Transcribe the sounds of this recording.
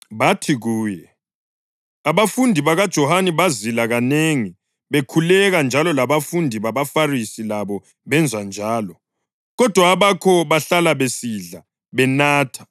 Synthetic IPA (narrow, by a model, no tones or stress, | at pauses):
βatʰiɣuːjɛ | aβafundʱiβaɣad̥ʒ̥ʱɔhanɛβazilaɣaneŋi | βekʰulɛɣand͡ʒʱalɔlaβafundʱiβaβafarisilaβɔ | βɛnd͡zʱwand͡ʒʱaːlɔ | ɣɔd̥ʱwaːβakʰɔβaɬalaβesiɮa | βɛnaːtʰḁ